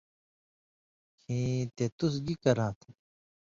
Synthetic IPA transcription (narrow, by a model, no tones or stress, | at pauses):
kʰĩːt̪et̪us̬ɡikɐɾãːt̪ʰ